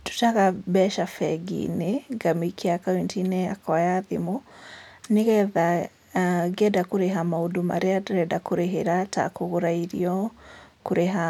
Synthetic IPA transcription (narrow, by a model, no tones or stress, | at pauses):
tu̥taɣabɛʃafɛɡḭneɡamikʰiakawintinɛakwajaðimu | neɣɛða | ɡɛdakuɾeɦamaudoma̰ɾeatuɾɛdakoɾeɦeɾata̰koɣoɾaiɾḭɔkoɾeɦa